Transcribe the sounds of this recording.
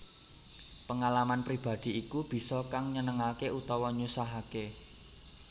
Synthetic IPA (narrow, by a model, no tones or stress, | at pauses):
pəŋalamanpɾib̥a̤d̪̥i̤ikub̥i̤sɔkaŋɲənəŋalkeut̪ɔwɔɲusaɦake